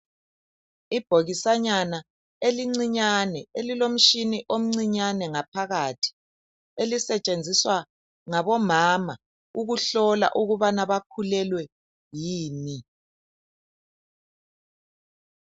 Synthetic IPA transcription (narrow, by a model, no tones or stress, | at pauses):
ib̥ʱoɣisaɲana | eliŋ͡ǀiɲanɛelilom̩ʃiniʔom̩ŋ͡ǀiɲanɛŋapʰaɣatʰi̥ | elisɛt͡ʃʼend͡zʱiswa | ŋaβɔmama | uɣuɬɔla̰ʔuɣuβanaβakʰulɛlwɛ | jiːni